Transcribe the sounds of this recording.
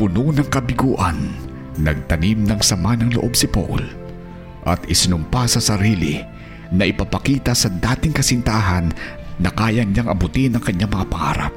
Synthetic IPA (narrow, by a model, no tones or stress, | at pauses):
pʊnonɐŋkɐbɪɡuːʔɐnː | ɐɡ̚t̪ɐnimnɐŋsɐmanɐŋlʊ̰ʔo̞bsɪpo̰ʔʊ̰l | ʔɐ̰t̪ɪsɪnʊmpasɐsɐɾiːlɪ | nɐʔɪpɐpɐkiːt̪ɐsɐd̪aːt̪ɪŋkɐsɪnt̪aːɦɐnː | ɐkaːjɐɲaŋʔɐbʊt̪inɐŋkɐɲːaŋmɐapɐʔa̰ːɾa̰p̚